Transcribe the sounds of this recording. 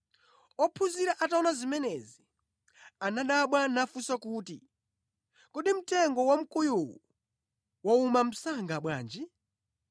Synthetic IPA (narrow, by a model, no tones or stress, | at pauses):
ɔpʰuziɾaʔataɔnazimɛnɛzi | anaɗaɓwanafusakuːtḭ | kɔɗim̩tɛŋɡɔwam̩kujuwṵ | waumam̩saŋɡaɓwa̰ːnd͡ʒi